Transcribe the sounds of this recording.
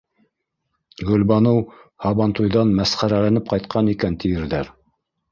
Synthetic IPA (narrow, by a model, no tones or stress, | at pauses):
ɡɵ̆lbɑnɤwhɑβɑnt̪ujðɑnmæsχæɾælænɘp̚qɑjt̪qʰɑnikænt̪ʰijɘ̆ɾðæɾ